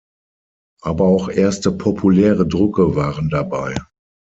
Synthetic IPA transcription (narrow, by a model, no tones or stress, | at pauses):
ʔaːbɐaʊxʔeːɐstəpʰɔpʰulɛːʁədʁʏkəvaːʁəndabaɪ